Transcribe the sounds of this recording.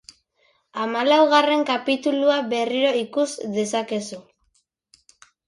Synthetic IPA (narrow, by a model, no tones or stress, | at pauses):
amalawɣ̞are̞ŋkapit̪uluaβe̞riɾo̞ikuzðe̞sake̞su